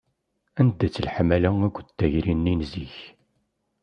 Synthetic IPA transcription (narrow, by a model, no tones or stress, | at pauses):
ænd̪ːæt͡sːəlħmælææɡʷət̪ːæʝɾinːinziç